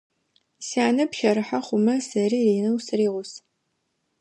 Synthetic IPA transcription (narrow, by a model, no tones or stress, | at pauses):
siaːnɐpʃɐɾɨħaχʷʊmɐsɐriːriːnɐwsɨriːʁʷʊs